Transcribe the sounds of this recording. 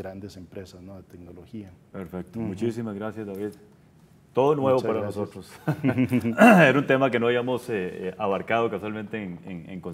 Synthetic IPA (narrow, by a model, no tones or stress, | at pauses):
ɾand̪esempɾesasnoðet̪eɡnoloxia | peɾfek̚t̪omut͡ʃisimazɣɾasjazd̪aβið | t̪o̞ðonwe̞βopaɾanosot̪ɾos | esunt̪e̞make̞noaβjamoseʔaβaɾkaðo̞kaswalmẽnt̪eŋeŋḛŋkon